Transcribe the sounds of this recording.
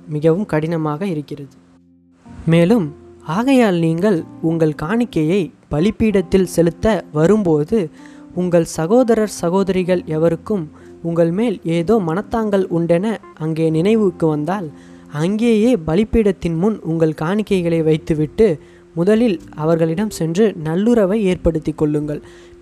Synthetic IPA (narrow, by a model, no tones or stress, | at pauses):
mɪɣɐʋɯmkɐɽɪnɐmaːɣɐɪɾɯkːɪrɐðɯ | meːlɯmaːɣɐjaːlniːŋɡɐɭʊŋɡɐɭkaːɳɪkːɐjɐɪ | b̥ɐlɪpːiːɽɐt̪ːɪlsɛlɯt̪ːɐʋɐɾɯmpoːðɯ | ʊŋɡɐɭsɐɣoːðɐɾɐɾsɐɣoːðɐɾɪɣɐɭɛʋɐɾɯkːɯm | ʊŋɡɐɭmeːleːðoːmɐnɐt̪ːaːŋɡɐɭʊɳɖɛnɐʔɐŋɡeːnɪnɐɪʋɯkːɯʋɐnd̪aːl | ɐŋɡeːjeːbɐlɪpːiːɽɐt̪ːɪnmʊnʊŋɡɐɭkaːɳɪkːɐɪɣɐɭɐɪʋɐɪt̪ːɯʋɪʈːɯ | mʊðɐlɪlɐʋɐɾɣɐɭɪɽɐmsɛndrɯnɐlːɯɾɐʋɐɪeːrpɐɽɯt̪ːɪkːɔɭːɯŋɡɐɭ